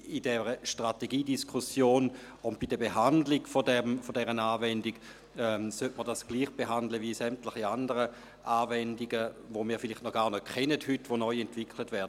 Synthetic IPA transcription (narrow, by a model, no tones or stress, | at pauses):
idɛʁəʃtʁateɡiːdiskʰusjoːn | ʊntb̥idəɐbeɦandlɪɡfodɛmfodɛʁənaːvɛndiɡ | ɛsøtməɐdasɡ̥liːχb̥eɦandləvisɛmtlɪχiandəʁə | ʔaːvɛndiɡəvomiːɐfɪlɪχtnɔχɡ̥aːʁnɔkʰχɛnəthytʋonɔʏɛntv̥ɪkʰlətvɛɐdə